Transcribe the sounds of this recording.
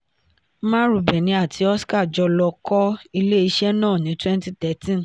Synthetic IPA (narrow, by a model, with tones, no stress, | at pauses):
mã˦ɾu˨bɛ˨nĩ˨˧a˦˨tʰi˨˧˦ɔ˦ska˦˨d͡ʒɔ˧lɔ˧kɔ˦i˧le˦i˧ʃɛ˦nãː˦˨nĩ˨˦twɛ̃˦nti˦tɛ˨˦tĩ˦n